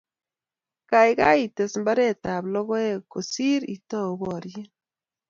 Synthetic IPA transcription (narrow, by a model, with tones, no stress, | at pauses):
ka˨jka˦i˨te˨smba˦ɾe˦ta˨blɔ˦ɣɔ˦e˦˨ko˨si˦ɾḭ˨tɔ˦o˨βɔ˨ɾje˦